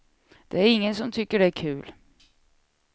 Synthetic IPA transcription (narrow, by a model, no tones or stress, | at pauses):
d̪̥ɛæɾɪŋːənsɔmt̪ʰʏkːəɖɛæɾkʰʉ̟ːl